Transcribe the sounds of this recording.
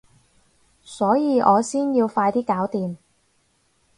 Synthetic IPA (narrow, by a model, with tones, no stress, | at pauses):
sɔː˨˥jiː˧ʔɔː˨˧siː˥njiː˧wfaː˧jt̪iː˥kaː˨˥wt̪iː˨m